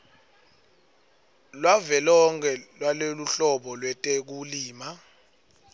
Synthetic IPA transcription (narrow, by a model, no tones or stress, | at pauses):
lwavɛlɔŋkʰɛlwaloluɬɔɓɔlwɛtʼek̬uliːma